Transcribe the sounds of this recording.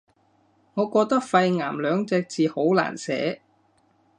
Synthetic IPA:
ŋɔː˨˧kɔː˧k̚t̪ɐ˥k̚fɐ˧jŋa̰ː˨˩mlœː˨˧ŋt͡sɛː˧k̚t͡siː˨˧ho˨˥wla̰ː˨˩nsɛ̰ː˨˥

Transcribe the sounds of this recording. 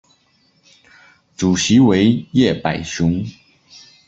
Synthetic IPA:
ʈ͡ʂu˨˩ɕi˧˥we˧˥ɪjɛ˥˩pa˨˩ɪɕʊ˧˥ŋ

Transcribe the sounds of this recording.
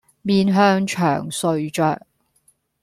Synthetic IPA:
miː˧nɦœː˧ŋt͡ʃʰœ̰ː˨˩ŋsɵ˧ɥt͡ʃœː˨k̚

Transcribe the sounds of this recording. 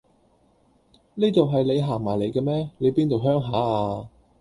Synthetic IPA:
niː˥t̪o˨wɦɐ˨jle˨˧jɦaː˨˩ŋmaː˨˩jle˨˧jkɛ˧mɛː˥le˨˧jpiː˥nt̪o˨wɦœː˥ŋɦaː˨˥aː˧

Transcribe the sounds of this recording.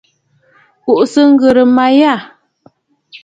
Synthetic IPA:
ku˨ʔsə˦ŋ̩˦ɡə˨ɾə˨ma˨ja˦˨

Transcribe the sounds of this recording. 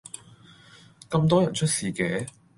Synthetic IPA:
kɐ˧mt̪̬ɔː˥jɐ˨˩nt͡ʃʰɵ˥t̚siː˨kɛː˨˦

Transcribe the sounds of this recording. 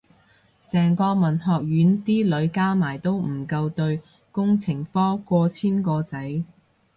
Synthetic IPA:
sɛː˨˩ŋkɔː˧mɐ˨˩nhɔː˨k̚jyː˨˥nt̪iː˥lɵ˨˧˥ɥkaː˥maː˨˩jt̪o˥wm̩˨˩kɐ˧wt̪ɵ˧ɥ | kʊ˥ŋt͡sʰɪ˨˩ŋfɔː˥kʷɔː˧t͡sʰiː˥nkɔː˧t͡sɐ˨˥j

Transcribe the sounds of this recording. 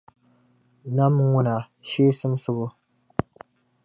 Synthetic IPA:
na˦m˦ŋʊ˦na˨ | ʃeː˦sɨ˦msɨ˦bʊ˦

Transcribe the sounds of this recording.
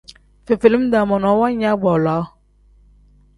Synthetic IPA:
fe˨fe˨li˦mda˨mɔ˨nɔ˨˦wa˦ɲa˦ɡ͡bɔ˨la˨˦

